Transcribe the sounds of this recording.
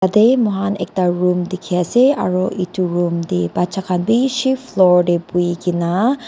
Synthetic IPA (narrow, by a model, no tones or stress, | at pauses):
ad̪emɔɦanek̚taɹumd̪ikʰiasea̰ɾoʔituɹumd̪ebat͡ʃakʰanbiʃiflɔɹɖepuiɡina